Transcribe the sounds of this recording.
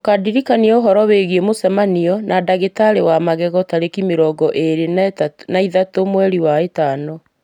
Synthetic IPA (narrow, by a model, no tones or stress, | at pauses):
okadiɾikaniɛoɦɔɾɔweɣiemosɛmaniɔnadaɣetaɾewamaɣɛɣɔtaɾekimeɾɔɡɔʔeɾenaiðatomwɛɾiwaetaːnɔ